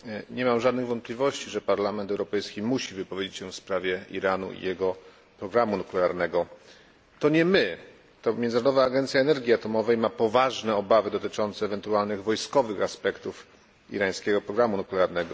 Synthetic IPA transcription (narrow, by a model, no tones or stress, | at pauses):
ɲɛmamʐad̪nɘɣvɔnt̪̚plʲivɔɕt͡ɕiʐɛpaɾlamɛnt̪ɛwɾɔpɛjskʲimuɕivɘpɔvʲjed͡ʑet͡ɕɕɛfspɾavʲjɛḭɾanṵḭjɛɡɔ | pɾɔɡɾamunuklɛaɾnɛɡɔ | t̪ɔɲɛmɘ | t̪ɔmʲjɛnnɾɔd̪ɔvaːɡɛnt̪sʲjaɛnɛɾɡʲiat̪ɔmɔvɛjmapɔvaʐnɛɔbavɘd̪ɔt̪ɘt͡ʂɔnt̪sɛːvɛnt̪ualnɘɣvɔjskɔvɘxaspɛkt̪uf | ḭɾaj̃skʲɛɡɔpɾɔɡɾamunuklɛaɾnɛɡɔ